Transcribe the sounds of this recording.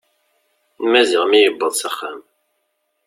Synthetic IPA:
nmæzɪʁmijəbːəðˤsæχːæm

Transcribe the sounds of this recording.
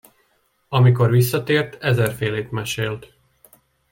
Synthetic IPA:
ɒmiko̞rʋisːɒt̪eːrt̪ɛzɛrfeːleːt̪mɛʃeːlt̪

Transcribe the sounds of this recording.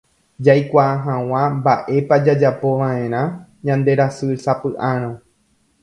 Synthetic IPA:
d͡ʒajkʷaːɦãw̃ãmbaʔe̞pad͡ʒad͡ʒapo̞ʋãʔẽ̞ɾ̃ãɲãnd̪e̞ɾasɨsapɨʔãɾ̃õ

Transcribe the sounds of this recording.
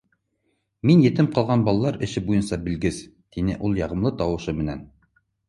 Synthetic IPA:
minjɘ̆t̪ɘmqɑlˠʁɑnbɑlˠɑlˠɑɾɘ̆ʃɘbujɤnsɑbɘ̆lɡɘz | t̪inɘʔulˠjɑʁɤ̆mlˠɤt̪ɑwɤ̆ʃɤmɘ̆næ̰n

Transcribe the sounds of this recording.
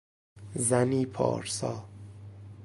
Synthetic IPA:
zæniːpʰɒ̰ːɾsɒ̰ː

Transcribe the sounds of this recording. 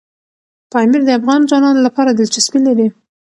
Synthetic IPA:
pɑmiɾd̪eafɣɑnd͡ʒɑnɑnlapʰɑɾad̪ɪlt͡ʃɪspilːad̪i

